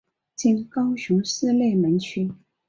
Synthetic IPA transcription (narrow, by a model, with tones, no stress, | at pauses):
t͡ɕi˥˩nkɑ˥ʊɕu˧˥ŋʂɹ̩˥˧le˥˩ɪmə˧˥nt͡ɕʰy˥n